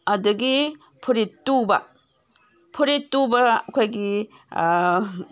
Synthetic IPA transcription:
ɐduɡi | pʰuɾitːubɐ̰ | pʰuɾitːubɐkʰajɡi

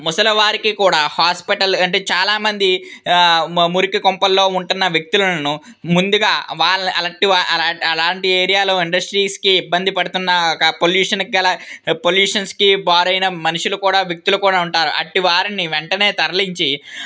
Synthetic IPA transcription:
mɔsɐlɐʋaːɾikikuːɽaːhaːspiʈɐlɐɳʈe̞ːt͡ʃaːlaːmɐnd̪i | muɾikikompɐlːo̞ːuɳʈunːɐʋjek̚t̪ulɐnu | mund̪uɡaːʋaːɐlɐʈiʋaɐlaːɐlaːɳʈieːɾijaːlo̞ːiɳɖɐsʈɾiːskiːbːɐnd̪ipɐɽut̪unːɐkɐpoljuːʂɐnɡɐlɐpoljuːʂɐnskibaːɾɐjnɐmɐnuʂulukuːɽaːʋjɐk̚t̪ulukuːɽaːuɳʈaːɾṵʔɐ̰ʈiʋaːɾiniʋeɳʈɐne̞ːt̪ɐɾɐliɲt͡ʃi

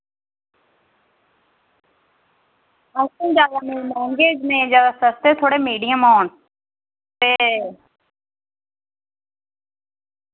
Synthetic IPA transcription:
akõd͡ʒjaːd̪aːnẽːlɛ̃ːŋɡeːd͡ʒnẽːzjaːd̪aːsəst̪eːt̪ʰoːɽeːmiːɖɪjãːmoːn | t̪eː

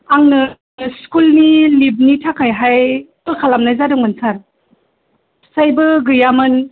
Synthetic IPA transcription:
aŋnɯ | skulnilib̚nitʰakʰajɦajkɯlkʰalamnajzadɯŋmɯnsaɾ | sajbɯɡɯjamɯn

